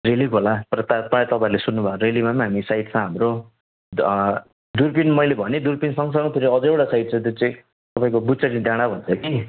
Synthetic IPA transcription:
relikolat̪ʌɾʌt̪apat̪ʌpaĩlesunːubʱakoɾelimamãɦamisait̪sʰʌ̃ɦamro | d̪urpinmʌjlebʱʌned̪urpinsʌŋsʌŋʌt̪ʰeɾiʌd͡zʌewʈasait̪̚t͡sʰʌ̃t̪ot͡sʌĩ | t̪ʌpãĩkobusʌʈid̪aɽ̃abʱʌnt͡sʰʌki

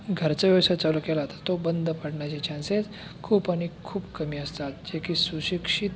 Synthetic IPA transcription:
ɡʱəɾt͡səʋjəʋsat͡salukelaɦt̪ḁt̪ːobənd̪ʱəpəɽɳjat͡ɕet͡ɕʰãnset͡s | kʰuːpaɽ̃ikʰuːbkəmiːəst̪at̪d͡ʑekiːsuɕikʂit̪

